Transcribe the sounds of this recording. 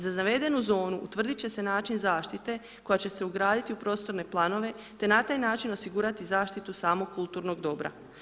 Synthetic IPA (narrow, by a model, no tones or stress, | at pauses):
zazaʋe̞d̪e̞nuzo̞ːnuʔut̪ʋr̩d̪it͡ɕe̞se̞naːt͡ʃinzaːʃt̪it̪e̞ | ko̞jat͡ɕe̞se̞uɡɾaːd̪it̪iupɾo̞ːst̪o̞ɾne̞plˠano̞ʋe̞ | t̪e̞nat̪aːjnaːt͡ʃino̞siɡuːɾat̪izaːʃt̪it̪usaːmo̞ɡkːulˠt̪uːɾno̞ɡd̪o̞bɾa̰